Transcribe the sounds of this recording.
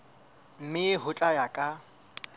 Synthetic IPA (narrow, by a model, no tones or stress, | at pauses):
m̩mɪɪɦʊt͡ɬʼajakʼa